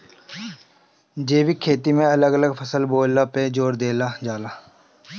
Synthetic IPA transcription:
d͡ʒeːʋikʰeːt̪iːmẽələɡələɡpʰəsəlboːlːaːpeːd͡ʒoːɾd̪eːlaːd͡ʒaːlaː

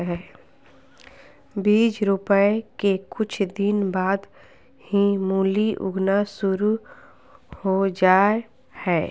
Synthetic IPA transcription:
ɦɛː | biːd͡ʒɾʊpəekekʊt͡ʃʰd̪ɪnbaːd̪ | hĩmuːliʔʊ̰ɡnasʊɾu | hod͡ʒaː | hɛː

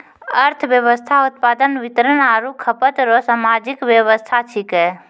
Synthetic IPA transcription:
əɾt̪ʰʋjəʋəst̪ʰaʊt̪̚paːd̪ənʋɪt̪ɾənaːɾukʰːəpət̪ɾosamaːd͡ʒɪkʋjəʋəst̪ʰat͡ʃʰikɦɛː

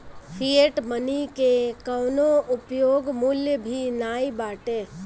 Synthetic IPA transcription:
pʰieʈmənikekəːnoʊpjoːɡmʊljəbʱinaːibaːʈeː

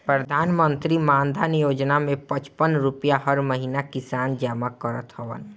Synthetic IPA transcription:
pɾəd̪ʱaːnmənt̪ɾimãːnd̪ʱanjoːd͡ʒnamẽpət͡ʃpənɾupjaɦəɾməɦinakɪsaːnd͡ʒəmakəɾət̪ɦəʋə̰n

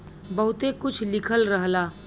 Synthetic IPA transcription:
bɐɦʊt̪ekʊt͡ʃʰlɪkʰəlɾəɦlaː

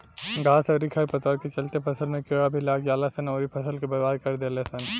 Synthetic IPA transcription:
ɡaːsɐːɾikʰɐɾpɐt̪əɾket͡ʃɐlt̪epʰɐsəlmẽkeɽabʱilaːɡjaːlasɐnɔːɾipʰɐsəlkebɐɾbaːd̪̚kɐɾd̪eːlesɐn

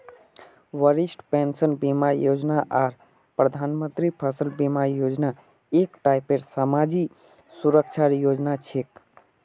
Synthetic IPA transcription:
ʋəɾisʈpensənbimajod͡ʒnaʔaɾ | pɾəd̪ʱanmənt̪ɾipʰəsəlbimaɾjod͡ʒna | ekʈajpeɾsamad͡ʒi | suɾəkt͡ʃʰaɾjod͡ʒnat͡ʃʰek

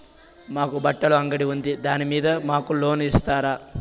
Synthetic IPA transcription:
maːkubɐʈːɐɭuɐŋɡɐɽiʋund̪id̪aːnimiːd̪ɐmaːkuloːnist̪aːɾa

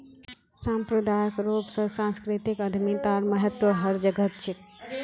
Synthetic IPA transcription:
sãmpɾəd̪ajəkɾopsəsãnskɾit̪ikəd̪ʱmit̪aɾməɦət̪ʋəɦəɾd͡ʒəɡət̪̚t͡ʃʰik̚

